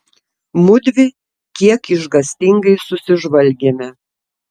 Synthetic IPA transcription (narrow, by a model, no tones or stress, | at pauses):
mʊd̪ʲʋʲɪ | kʲiɛkɪʒɡɐsʲt̪ʲɪŋɡɐɪsʊsʲɪʒʋɐlʲɡʲeːmʲɛ